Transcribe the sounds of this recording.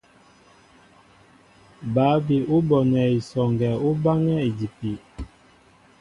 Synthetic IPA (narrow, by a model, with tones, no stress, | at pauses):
ba˨˦bi˨ʔu˦bɔ˨nɛ˨i˨sɔ˨ŋɡɛ˨u˦ba˦ŋɛ˦i˨di˨pi˨